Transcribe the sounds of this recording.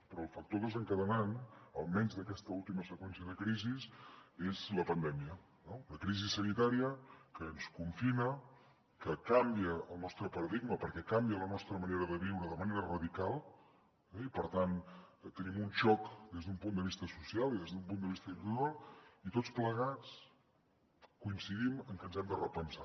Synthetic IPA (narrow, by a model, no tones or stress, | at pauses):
pɾɔːlˠfək̚t̪oðəzəŋkəðənanəlˠmɛnzðəkɛst̪əulˠt̪iməsəkwɛnsiəðəkɾizisezləpənd̪ɛmiə | noləkɾizisənit̪aɾiəkəːnskuɱfinə | kəkambiəːlˠnɔst̪ɾəpəɾəðiɡməpəɾkɛkambiələnɔst̪ɾəməneɾəðəβiwɾəðəməneɾərəðikalˠ | ɛipəɾt̪ant̪ənimunʃɔkd̪ezðumpund̪əβist̪əsusialˠiðezðumpund̪əβist̪əit̪uɾalˠit̪ott͡spləɣ̞at͡s | kuinsiðiməŋkənzɛmd̪ərəpənsa